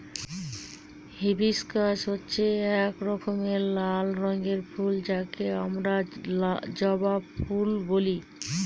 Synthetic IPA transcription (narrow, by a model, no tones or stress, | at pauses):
ɦebiskaʃɦotːɕʰeɛkɾɔkomeɾlalɾɔŋɡeɾfʰuld͡ʑakeamɾa | d͡ʑɔbabfulboli